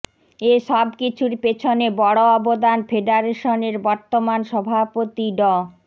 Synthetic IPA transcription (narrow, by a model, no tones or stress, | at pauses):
eʃɔbkit͡ɕʰuɾpet͡ɕʰonebɔɽoɔbod̪anfeɖaɾeʃoneɾbɔɾt̪omanʃɔbʱapot̪iɖɔ